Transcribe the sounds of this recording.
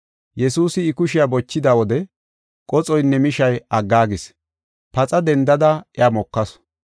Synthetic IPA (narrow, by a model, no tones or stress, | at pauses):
jɛsuːsɪːkʊʃɪjabɔt͡ʃːɪd̪aːwɔd̪ɛ | kʼɔt͡sʼɔjnːɛmɪʃɐjɐɡːaːɡɪs | pɐt͡sʼɐd̪ɛnd̪ɐd̪ɐɛaːmɔkːɐs